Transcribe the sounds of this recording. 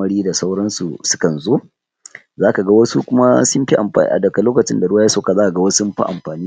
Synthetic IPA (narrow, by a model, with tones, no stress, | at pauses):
ɐ˦ɽiː˦da˨sa˦wɽɐ˦nsu˨sʊ̥˦kɐ˨nzoː˦ | zaː˦ka˨ɡa˦wɐ˦su˦kʷʊ˦ma˦sʊ˦mɸi˦ʔa˨mɸa̰ː˨˦ʔa̰˨dɐ˨ka˨loː˦kɐ˨t͡ʃɪ˦nda˨ɽwa˦ja˦soː˦˨ka˨zaː˦ka˨ɡa˦wɐ˦smɸa̰˦ʔa̰˨mɸaː˨niː˦